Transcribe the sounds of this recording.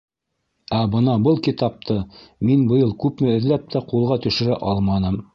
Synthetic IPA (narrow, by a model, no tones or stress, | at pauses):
æbɤnɑbɤlˠkit̪ɑp̚t̪ʰɤminbɤ̆jɤlˠkʉpmɘɵ̆ðlæp̚t̪ʰæqulˠʁɑt̪ɵ̆ʃɘ̆ɾæʔɑlˠmɑnɤm